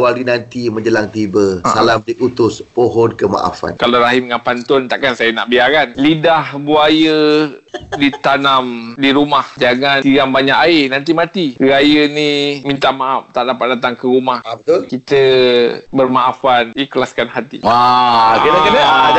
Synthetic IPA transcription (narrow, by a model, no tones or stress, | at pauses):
waɾinant̪imə̃ɲd͡ʒəlaŋt̪ibəsalamblik̚ut̪ʊspoɦɔnkəma̰ʔa̰fa̰nkalaɾaɦimŋanpant̪ʊnt̪aʔkansajəna̰ʔbiaɾanlidahbuajə | dit̪anamdiɾumahd͡ʒaŋaniɡambaɲaʔaenant̪̬imãt̪iɾajənimint̪aʔmaʔaf̚t̪aʔdapat̪̚dat̪aŋkəɾumahabət̪ʊlkit̪ə | bərmaʔafanikəlaskanhat̪ḭakənakənə